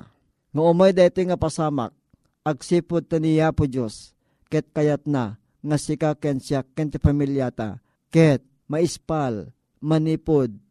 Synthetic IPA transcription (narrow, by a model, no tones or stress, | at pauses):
ŋaʊmajd̪ajt̪iŋɐpasama̰k̚ | ɐɡ̚siːpʊd̪̚t̪anijapʊd͡ʒos | kɛt̪̚kɐjat̪̚na | ŋasikakɛnsjakːɛnt̪ɪpamiljat̪a̰ | kɛt̪̚ | mɐɪspal | mɐnipod̪̚